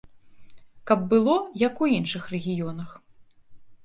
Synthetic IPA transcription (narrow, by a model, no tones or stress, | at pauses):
kɐb̚ːɨlˠɔjɐkuinʂɨxrɛɣʲijɔnɐx